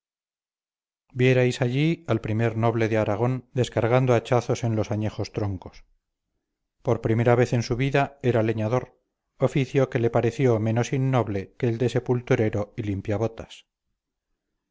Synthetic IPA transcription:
bje̞ɾajsaʎialpɾime̞ɾno̞βle̞ðeaɾaɣ̞o̞nd̪e̞skaɾɣand̪oat͡ʃaθo̞se̞nlo̞saɲe̞xo̞st̪ɾo̞ŋko̞̥s | po̞ɾpɾime̞ɾaβe̞θe̞nsuβiðae̞ɾale̞ɲaðo̞ɾ | ofiθjo̞ke̞le̞paɾe̞θjo̞mẽ̞nosinːo̞βle̞keːld̪e̞se̞pult̪uɾe̞ɾo̞ilimpjaβo̞t̪as

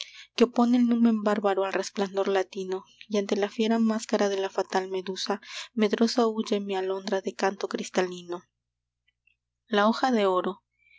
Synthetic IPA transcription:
keopo̞nelnũmẽ̞mbaɾβaɾoalre̞spland̪o̞ɾlat̪ino̞jant̪e̞lafje̞ɾamaskaɾaðe̞lafat̪alme̞ðusame̞ðɾo̞saud͡ʒemialo̞nd̪ɾaðe̞kant̪o̞kɾist̪alino̞ | lao̞xaðe̞oɾo̞

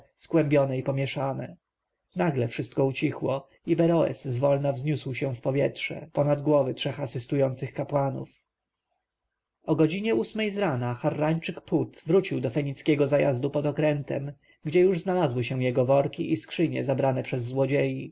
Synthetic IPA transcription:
skwɛmbʲjɔnɛipɔmʲjɛʂanɛ | naɡlɛfʂɘst̪kɔut͡ɕixwɔ | ibɛɾɔɛ̰sːvɔlnavzɲuswɕɛ̃fpɔvʲjɛtʂɛ̰pɔnad̪ɡwɔvɘtʂɛxasɘst̪ujɔnt̪sɘxkapwanṵf | ɔɡɔd͡ʑiɲɛusmɛjzɾanaxarːaɲt͡ʂɘkput̪vɾut͡ɕiwd̪ɔfɛɲit̪skʲɛɡɔzaja̰zd̪upɔd̪ɔkɾɛnt̪ɛ̰m | ɡd͡ʑɛjuʐznalazwɘɕɛw̃jɛɡɔvɔɾkʲiʔiskʂɘɲɛ̰zabɾanɛpʂɛzːwɔd͡ʑeji

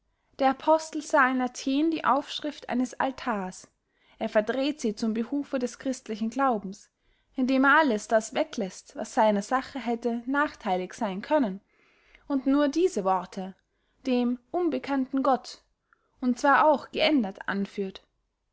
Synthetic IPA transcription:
d̥eːɐapʰɔstl̩z̥aːɪnatʰeːndiːʔa̰ʊfʃʁ̥ɪftʔa̰ɪnəsa̰ltʰaːɐs | ʔeːɐfɛɐdʁeːtz̥iːt͡sʊmbəʁuːfədɛskʁ̥ɪstlɪçn̩ɡlaʊbm̩s | ʔɪndeːmeːɐʔaləsd̥asv̥ɛklɛstva̰sz̥aɪnɐzaχəɦɛtənaːχtʰaɪlɪçz̥aɪnkʰœnən | ʔʊntnuːɐdiːzəvɔʁtʰə | d̥eːmʔʊnbəkʰantn̩ɡɔt | ʊntt͡sv̥aːɐaʊxɡ̥əʔɛndɐtʔa̰nfyːɐt

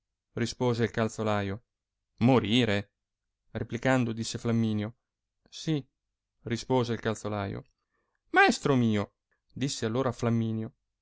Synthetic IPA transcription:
rispoːzeilkalt̪solaːjo | moɾiːɾe | replikand̪od̪isːeflamːiːnjo | si | rispoːzeilkalt̪solaːjo̰ | maɛst̪ɾomiːo | d̪isːealːoːɾaːflamːiːnjo

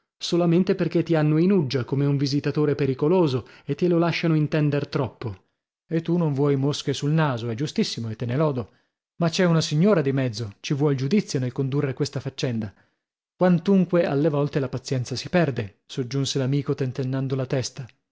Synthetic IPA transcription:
solament̪eperk̟et̪ːianːoinud͡ʒːakomeuɱvizit̪at̪oːɾepeɾikoloːzoet̪ːilolaʃːanoint̪ɛnd̪ert̪ɾɔpːo | et̪ːunoɱvwɔjmoskesulnaːzoɛd͡ʒust̪isːimoet̪ːenelɔːd̪o | mat͡ʃːɛunasiɲːoːɾad̪imɛd̪zːot͡ʃivwɔld͡ʒud̪it̪sːjonelkond̪urːekwest̪afat͡ʃːɛnd̪a | kwant̪uŋkwea̰lːevɔlt̪elapat̪sːjɛnt̪sasipɛrd̪e | sod͡ʒːunselamiːkot̪ent̪enːand̪olat̪ɛst̪a

